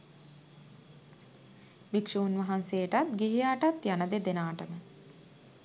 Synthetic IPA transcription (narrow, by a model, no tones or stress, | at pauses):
ʋikʂuːnʋɐɦanseːʈat̪ɡiɦiaʈat̪janəd̪ed̪enaːʈəmə